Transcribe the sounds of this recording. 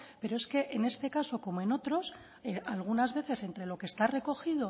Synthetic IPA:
pe̞ɾo̞e̞ske̞ʔene̞st̪e̞kaso̞ko̞moe̞no̞t̪ɾo̞s | eʔalɣ̞unazβe̞θe̞se̞nt̪ɾe̞lo̞kest̪are̞ko̞xiðo

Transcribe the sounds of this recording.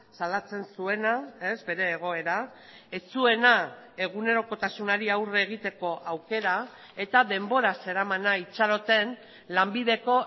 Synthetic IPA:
salat͡se̞nsue̞nae̞zbe̞ɾe̞ːɣ̞o̞e̞ɾa | et͡sue̞na | e̞ɣ̞une̞ɾo̞ko̞t̪asunaɾiawreeːɣ̞it̪e̞ko̞ʔawke̞ɾa | e̞t̪aðe̞mbo̞ɾase̞ɾamanait͡ʃaɾo̞t̪e̞n | lambiðe̞ko̞

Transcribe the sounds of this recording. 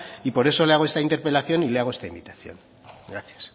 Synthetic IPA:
ipo̞ɾe̞so̞le̞aɣo̞est̪aint̪e̞ɾpe̞laθjo̞nile̞aɣo̞est̪aimbit̪ḁθjo̞̰n | ɡɾaθjḁs

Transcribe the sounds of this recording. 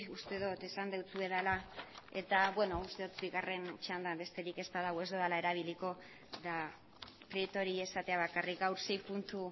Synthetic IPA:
ust̪e̞ðot̪e̞sand̪e̞wt͡s̪ue̞ðalae̞t̪aβwe̞no̞ust̪e̞ot̪biɣare̞nt͡ʃand̪ambe̞st̪e̞ɾike̞st̪aðaɣoe̞zd̪oðalae̞ɾaβ̞iliko̞ | ða | pɾiet̪o̞ɾie̞sat̪e̞aβakarikɡawɾse̞jpunt̪u

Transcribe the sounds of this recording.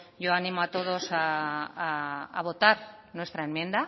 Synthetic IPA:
ʝo̞anĩmoat̪o̞ð̞o̞saː | β̞o̞t̪aɾ | nwe̞st̪ɾaemjẽ̞nd̪a

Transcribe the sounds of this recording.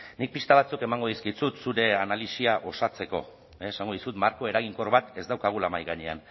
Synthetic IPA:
nik̚pist̪aβ̞at͡suke̞maŋɡoðiskit͡sut̪suɾe̞analisiaʔo̞sat͡se̞ko̞̰ː | saŋɡo̞ð̞isut̪maɾko̞e̞ɾaɣ̞iŋko̞rβat̪e̞zd̪awkaɣ̞ulamajɣaɲe̞̰a̰n

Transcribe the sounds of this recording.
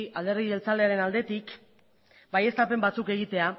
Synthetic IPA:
ald̪e̞ɾðie̞lt͡sale̞aɾe̞nald̪e̞t̪ik | baje̞st̪ape̞mbat͡suke̞ɣ̞it̪e̞a

